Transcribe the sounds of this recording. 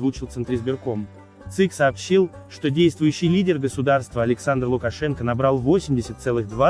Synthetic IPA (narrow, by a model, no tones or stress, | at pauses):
vut͡ɕɪlˠt̪sɨnt̪ɾʲɪzbʲɪrko̞m | t̪sɨksɐːpɕːilˠʂt̪o̞dʲejst̪vʊjʉɕːɪjlʲidʲɪrɡəsʊd̪arst̪vəɐlʲɪksand̪rlˠʊkɐʂɛnkənɐbɾalˠvo̞sʲɪmʲdʲɪsʲət̪sɛlˠɨɣd̪va